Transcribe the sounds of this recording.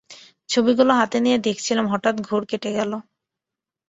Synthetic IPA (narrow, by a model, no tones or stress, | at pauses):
t͡ɕʰobiɡuloɦat̪enijed̪ekʰt͡ɕʰilemɦɔʈat̪ɡʱoɾkeʈeɡɛlo